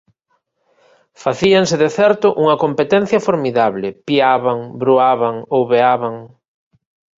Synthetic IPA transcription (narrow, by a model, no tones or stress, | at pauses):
faθiaŋsɪðeθɛɾt̪ʊʔuŋɐkompet̪ɛ̃n̟θjɐfoɾmiðaβlɪpiaβaŋbɾuaβaŋowβeaβaŋ